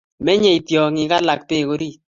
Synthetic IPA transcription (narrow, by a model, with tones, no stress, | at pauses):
mɛ˦ɲɛ˨i˨tjɔ˨ŋɪ˨ka˦la˨k̚pe˦˨ko˨˦ɾi˦